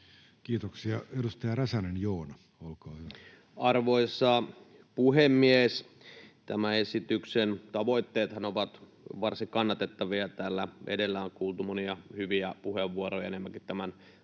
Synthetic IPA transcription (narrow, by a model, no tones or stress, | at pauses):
kiːt̪oksiɑedust̪ɑjɑræsænenjoːnɑ | olkɑːhyʋæ | ɑrʋoisːɑ | puhemːies | t̪æmæesit̪yksent̪ɑʋoit̪ːeːt̪hɑnoʋɑt̪ | ʋɑrsiŋkɑnːɑt̪et̪ːɑʋiɑt̪æːlːæʔḛdelːæoŋkuːlt̪umoniɑhyʋiæpuheʋːuorojɑenemːækit̪t̪æmæn